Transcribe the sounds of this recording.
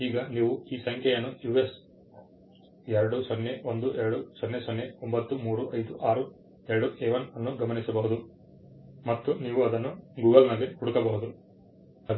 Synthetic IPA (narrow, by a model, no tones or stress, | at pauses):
iːɡɐniːʋuiːsɐŋkʰʲjɐjɐnːujuːʋes | ɛɾɐɽusonːeond̪uʔɛɾɐɽusonːesonːeombɐt̪ːumuːɾuʔɐjd̪uʔaːɾu | ɛɾɐɽuʔeʋɐnɐnːuɡɐmɐnisɐbɐɦud̪u | mɐt̪ːuniːʋuɐd̪ɐnːuɡuːɡɐlnɐlekuɽukɐbɐːud̪u | ɐ